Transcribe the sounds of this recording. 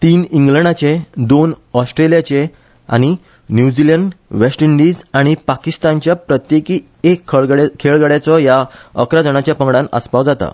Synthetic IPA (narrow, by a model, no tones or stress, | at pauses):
t̪iːniŋɡləɳ̃at͡ɕẽd̪onɔsʈɾelijat͡ɕe | a̰ɽ̃i | njud͡ziləɳɖʋesʈiɳɖiːd͡zaɽ̃ipakist̪ant͡ɕjapɾət̪jekiː | ekʰːɽkʰeɭɡəɽjat͡sɔjaə̰kɾad͡zəɽ̃at͡ɕjapəŋɡɽãnə̰spaʋd͡zat̪a̰